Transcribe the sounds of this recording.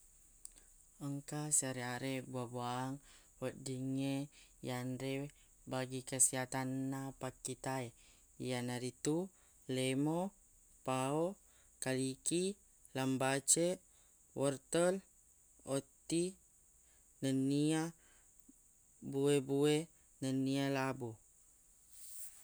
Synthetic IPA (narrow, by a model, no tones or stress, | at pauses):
əŋkasaɾeaɾebuabuaːŋ | wədiŋejanɾe | baɡikəsiɦat̪anːapakːit̪aj | janaɾit̪u | lemo | pao | kaliki | lambat͡ʃeʔ | wɔrt̪əl | ot̪i | nənia | buebue | nənialabu